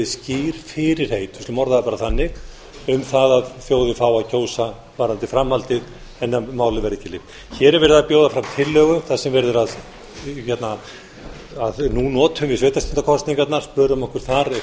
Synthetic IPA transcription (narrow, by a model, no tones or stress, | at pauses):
ɪsciːɾ̥fɪɾɪɾ̥heːjt̪ʏstlmɔɾðaðpaːɾaθanːɪɣ | ʏmθaðaðfjoːwðʏfaːwacʰoːwsa | vaːɾant̪ɪfɾamːalt̪ɪð | ɛnːamaːwlɪvɛɾɪcɪlːɪ | çɛːɾɛɾvɛɾɪðapjoːwðafɾamt̪ʰɪlːœɣʏθaðsɛmvɛɾðʏɾað | çɛt̪na | aðnunɔːt̪hʏmvɪsveːjt̪ast̪ɪnt̪akʰɔst̪niŋkat̪naɾ̥spœːɾʏmɔhkʏɾ̥θaɾ